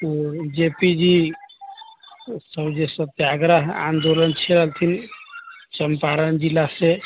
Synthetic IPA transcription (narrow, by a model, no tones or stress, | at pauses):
od͡ʒepid͡ʒi | səbd͡ʒesət̪jaɡɾəɦa̰nd̪olənt͡ʃʰɛɾəɦlt̪ʰin | t͡ʃəmpaɾənd͡ʒilːase